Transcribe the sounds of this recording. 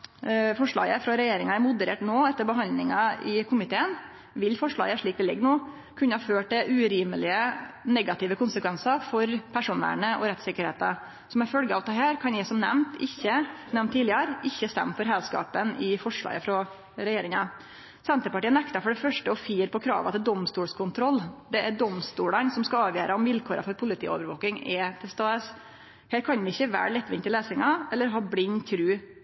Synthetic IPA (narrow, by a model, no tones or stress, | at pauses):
fɔʂɭɑ̰ːɡəfɾɔɾɛjeːɾɪŋɑæɾmʊd̪əɾeːʈnoːɛt̪ːəɾbəɦɑnd̪lɪŋɑɪkʰʊmɪt̪ʰeːən | ʋɪlfɔʂɭɑ̰ːɡəʂɭiːk̪̚ɛlɛ̰ɡːnoː | kʰʉnːəhɑføːʈɛʔʉɾiːməlɪənɛɡɑt̪ɪːʋəkʰʊnsəkʰʋɛnsɑfɔɾpʰæʂuːnə̰ɳəʔɔ̰ɾɛt̪sɪkəɾheːt̪ə̰ | sɔmæfœlɡəɑːʋt̪ʰɑːhæːɾkʰɑnjæɪsɔmnɛ̰mt̪ʰɪçːənɛmnt̪ʰːiːlɪəɾɪçːəst̪ɛ̰mːfɔɾɦɛlskɑ̰ːpənɪfɔʂɭɑ̰ːɡəfɾɔ | ɾɛjeːɾɪŋɑ | sɛnt̪əpɑʈiːənɛkt̪ɑfɔɖɛfœʂʈəɔfiːəɾpʰɔkʰɾɑ̰ːʋɑ̰t̪ɪd̪ɔmst̪uːɽskʰʊnt̪ʰɾɔlːd̪ɛʔæɖɔmst̪uːɽənsɔmskɑɑːʋjøːɾəɔmʋɪlkʰoːɾʔɑ̰fɔɾpʰʊlɪt̪ʰḭːo̰ːʋəɾʋo̰ːkɪŋɛt̪ʰɪlst̪ɑːəs | heːɾkʰɑnʋɪɪçːəʋæ̰ːɾɭɪt̪ːʋɪnt̪ɪleːsɪŋɑɛlːəɾɦɑːblɪɲt̪ʰɾʉː